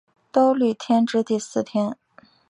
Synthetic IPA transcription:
t̪o˥ʊly˥˩t̪ʰjɛ˥nʈ͡ʂɻ̩˥t̪i˥˧sɹ̩˥˩t̪ʰjɛ˥n

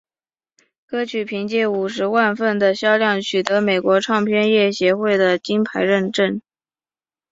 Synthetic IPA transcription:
kɤ˥t͡ɕʰy˨˩pʰi˧˥ŋt͡ɕjɛ˥˩u˨˩ʂɻ̩˧˥wa˥˧nfə˥˩nd̪ə˩ɕjɑ˥ʊljɑ˥˩ŋt͡ɕʰy˨˩t̪ɤ˧˥me˨˩ɪkwɔ˧˥ʈ͡ʂʰɑ˥˧ŋpʰjɛ˥˧njɛ˥˩ɕjɛ˧˥xwe˥˩ɪd̪ə˩t͡ɕi˥npʰa˧˥ɪɻə˥˧nʈ͡ʂə˥˩n

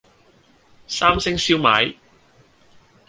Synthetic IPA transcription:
saː˥msɪ˥ŋsiː˥wmaː˨˥j

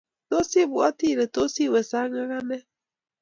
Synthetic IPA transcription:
to˦si˦βwa˦ti˦˨ɾɛ˨to˦si˦˨wɛ˨sa˦ŋa˦ɣa˦nɛ˦

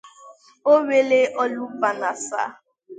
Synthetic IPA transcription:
o˦we˦le˦ʔɔ˦lu˦ba˨na˨sa̰˦

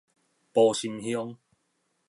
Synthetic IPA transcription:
pɔː˨˧ɕi˧mhjɔ˥˦ŋ

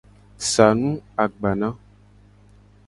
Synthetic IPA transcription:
sa˨nũ˦a˨ɡ͡ba˨nã˦

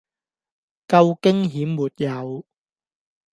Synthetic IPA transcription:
kɐ˧wkɪ˥ŋɦiː˨˥mːuː˨˩t̚jɐ˨˧w

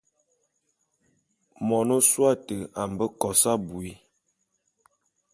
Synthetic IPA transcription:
mɔ˨no˦swa˦˨tə˨a˨m˨bə˦kɔ˨sa˦bu˨i˦

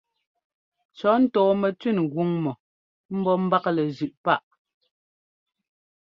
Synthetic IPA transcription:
t͡ʃɔ˨˦n̩˦tɔː˨mɛ˨tɥi˦˨n˨ɣwu˦ŋmɔ˨ | m̩˦bɔ˦m̩˦ba˦klɛ˨zʉ˨ʔpa˦ʔ

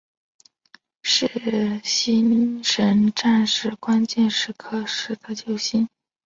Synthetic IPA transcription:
ʂɻ̩˥˩ɕi˥nʂə˧˥nʈ͡ʂa˥˧nʂɻ̩˥˩kwa˥nt͡ɕjɛ˥˧nʂɻ̩˥˩kʰɤ˥˩ʂɻ̩˥˩d̪ə˨t͡ɕjo˥˩ʊɕi˥n

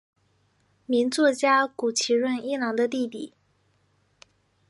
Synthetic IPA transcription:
mi˧˥nt͡swɔ˥˩t͡ɕja˥ku˨˩t͡ɕʰi˧˥ɻwə˥˧ni˥nɑ˧˥ŋd̪ə˧t̪̬i˥˧p̪ḭ˨˩˦

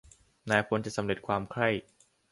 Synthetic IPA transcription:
naː˧jpʰo˧˦nt͡ɕa˨˩ʔsa˩˦mɾe˨˩t̪̚kʰwaː˧mkʰɾa˥˩j

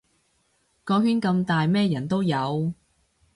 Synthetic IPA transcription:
kɔː˧ɦyː˥nkɐ˧mt̪aː˨jmɛː˥jɐ˨˩nt̪o˥wjɐ˨˧w

